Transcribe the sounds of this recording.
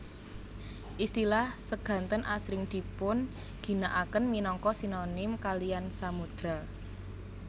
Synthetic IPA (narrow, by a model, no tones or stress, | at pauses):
ʔist̪ilahsəɡ̥ä̤nt̪ənʔasɾɪŋd̪̥i̤pʊn | ɡ̥i̤naʔakənminɔŋkɔsinonɪmkalijansamud̪̥ɾa